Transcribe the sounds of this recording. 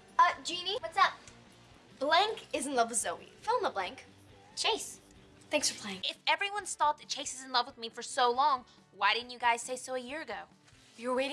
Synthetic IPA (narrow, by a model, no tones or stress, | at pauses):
ʌ̥d͡ʒĩniwʌtsðət̚ | b̥læ̃ŋkɪz̃n̩lʌvwɨðzoʊbḭfɪl̃ˠməblæ̃ŋk | t͡ʃʰeɪs | θæ̃ŋksfə˞pʰl̥eɪɪ̃ŋɪfɛvɹiwʌ̃nstɑp̚ɨt̚t͡ʃʰeɪsɨzɨ̃n̩lʌvwɨðmifə˞soʊlɔ̃ŋ | waɪɾɪdⁿn̩t͡ʃjɨɡaɪz̥seɪsoʊɨjɪɹɨɡoʊ | jə˞weɪɾɪ̃